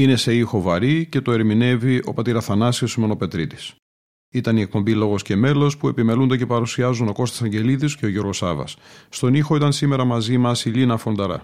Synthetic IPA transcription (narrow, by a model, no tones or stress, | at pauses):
ine̞se̞ixo̞vɐɾice̞t̪o̞e̞ɾmine̞viʔo̞̰pɐt̪iɾɐθɐnɐsiosime̞no̞pe̞t̪ɾit̪i̥s | it̪ɐnie̞k̚po̞mbilo̞ɣo̞sce̞me̞lo̞spue̞pime̞lund̪ece̞pɐɾusiɐzuno̞ko̞st̪esɐɲɟe̞liðisce̞o̞ʝo̞ɾɣo̞sɐ̰vɐ̰sːt̪o̞nixo̞it̪ɐnsime̞ɾɐmɐzimɐsilinɐfo̞nd̪ɐɾɐ̰